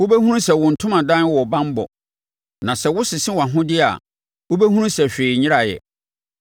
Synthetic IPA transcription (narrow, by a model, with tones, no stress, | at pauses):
wʊ˦be˦hũ˦ɾũ˦sɛ˨wʊ̃˨n̩˨tʰʊ̃˦mã˨dã˦n˦wɔ˨bã˦m˦bɔ̰˨ | nã˨sɛ˨wʊ˦sɪ˨sɪ̃˦wã˨ɦʊ̃˦dɪ˦a̰˨ | wo˦be˦hũ˦ɾũ˦sɛ˨ɕᶣeː˨ɲɪ̃˦ɾa˨jɛ̰˨